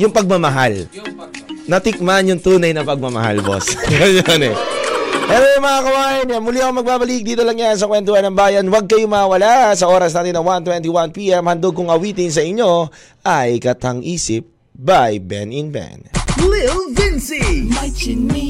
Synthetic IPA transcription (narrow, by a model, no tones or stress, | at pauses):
jʊŋpɐɡ̚mɐmɐɦal | nɐt̪ɪk̚manjʊŋt̪uːnɐjnɐpɐɡ̚mɐmɐ̰ɦa̰lbo̰sjonɛ | ʔɛːɾojɐŋmɐŋakɐwaːjɐnjamʊliɐkomɐɡ̚baːbɐlɪk̚d̪iːt̪o̞lɐŋjans̬ɐkwɛnt̪ʊwanːɐmbaːjɐnwɐɡ̚kɐjomɐawɐlasɐʔo̞ːɾɐs̬naːt̪ɪnːɐwant̪wɛnt̪iwanpiːʔɛmhɐnd̪oɡ̚kʊŋɐwiːt̪ɪns̬ɐʔɪɲːo̞ | ʔɐjkɐt̪ɐŋʔiːsɪp̚ | bajbɛ̰nɪnbɛ̰nlɪlvɪnsi